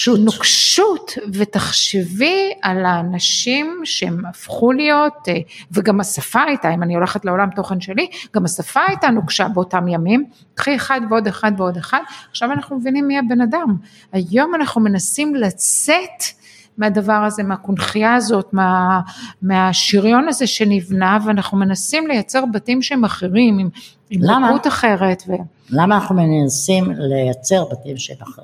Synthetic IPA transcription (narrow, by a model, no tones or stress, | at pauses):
ʃunokʃutvet̪aχʃevialaːnaʃimʃeemafχulijo̞t̪ | veɡamasafaajtaimanio̞leχetleo̞lamt̪o̞χe̞nʃe̞liɡ̥amasafaajt̪anukʃabeotamjamim | kχieχad̪veo̞d̪eχad̪veo̞d̪eχad̪aχʃavanaχnumevinimːiabe̞nadam | ajo̞manaχnume̞nasimlat͡set | meadavaʁaze̞meakunχijaazo̞tmeameaʃiʁjo̞naze̞ʃe̞nivnaveanaχnume̞nasimle̞jat͡se̞ʁbatimʃeemaχeʁimim | imlautaχe̞ʁe̞tve | lamaːnaχnumenasimlejat͡se̞ʁbatimʃeema